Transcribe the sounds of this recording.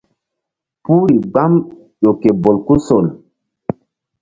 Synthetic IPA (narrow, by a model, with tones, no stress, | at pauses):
puː˦ɾi˨ɡ͡ba˦m | ʄo˨ke˨bo˨lku˦so˨l